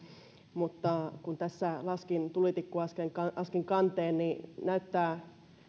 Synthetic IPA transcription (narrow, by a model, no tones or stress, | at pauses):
mut̪ːɑkunt̪æsːælɑskint̪ulit̪ikːuɑskeŋkɑʔɑskiŋkɑnt̪eːnninæyt̪ːæː